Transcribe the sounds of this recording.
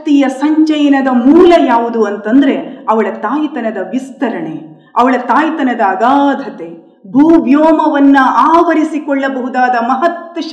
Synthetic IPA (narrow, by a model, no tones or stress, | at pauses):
t̪ijɐsɐɲt͡ʃɐjɐnɐd̪ɐmuːlɐjaːʋud̪uɐnt̪ɐnd̪ɐɾe̞ɐʋɐɭɐt̪aːjt̪ɐnɐd̪ɐʋist̪ɐɾɐɳe | ɐʋɐɭɐt̪aːjt̪ɐnɐd̪ɐːɡaːd̪ʱɐt̪e | bʱuːʋjoːmɐʋɐnːuaːʋɐɾisikɔɭːɐbɐɦud̪aːd̪ɐmɐɦɐt̪ʋɐʃɐ